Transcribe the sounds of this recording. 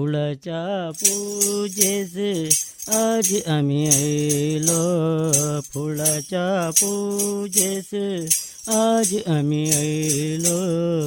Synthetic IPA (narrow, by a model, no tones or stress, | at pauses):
ulat͡ʃapud͡ʒes | ad͡ʒamiəilo | pʰulat͡ʃapud͡ʒes | ad͡ʒʔamĩəilo